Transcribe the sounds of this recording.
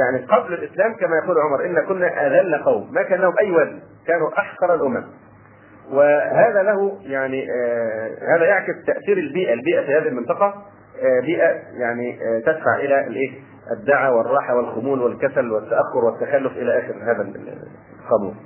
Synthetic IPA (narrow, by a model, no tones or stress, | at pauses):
jaʕniqɑblɪlʔɪslæːmkæmæːjɑquːlʕomɑɾˤʔɪnːækʊnːæʔæðælːaqɑwmːækæːnlæhʊmʔæjːwæzn | kæːnuʔɑħqɑɾˤalʔʊmæm | wɪhaːðælæhʊjaʕni | hæːðæjaʕkɪst̪æʔθiːɾɪlbiːʔælbiːʔæfiːhæːðihilmɪnt̪ˤɑqɑ | biːʔæjaʕnit̪æd̪fa̰ʕʔɪlælʔeː | ʔɪd̪ːaʕawɪrˤːɑːħawɪlxʊmuːlwɪlkæsælwɪt̪ːæʔaxːʊɾwɪt̪ːæxælːʊfʔɪlæʔæːxɪɾhæːðæ | qɑmṵːn